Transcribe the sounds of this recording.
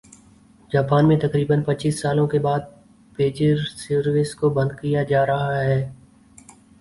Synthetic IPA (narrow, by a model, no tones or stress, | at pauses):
d͡ʒaːpaːnmẽt̪ɐkɾiːbənpɐt͡ʃiːsːaːlõkebaːd̪̚ | peːd͡ʒəɾsəɾwɪskobɐ̃nd̪̚kijad͡ʒaːɾɐɦaɦɛː